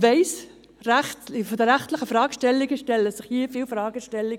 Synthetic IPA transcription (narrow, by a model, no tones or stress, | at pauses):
vɛɪs | ɾæχtfɔdəɾæχtlɪχəfɾɑːɡʃtɛlːiɡəʃtɛləsɪχhiːfiːlfɾɑːɡəʃtɛlːiɡ